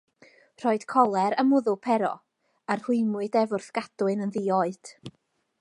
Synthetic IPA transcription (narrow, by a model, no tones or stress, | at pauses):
r̥ɔːɨd̥kʰɔlˠɛɾəmʊðʊpʰɛɾɔ̰ | arhʊɨmʊɨdɛvʊrθɡ̥ad̥wɨnənðiːoːɨd̥